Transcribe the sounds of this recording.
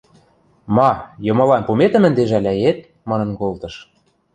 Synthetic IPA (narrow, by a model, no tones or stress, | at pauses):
mɑjɤ̆mɤ̆lɑnpumet̪ə̆mə̆nd̪eʒælʲæjet̪̚ | mɑnɤ̆nkolt̪ɤ̆ʃ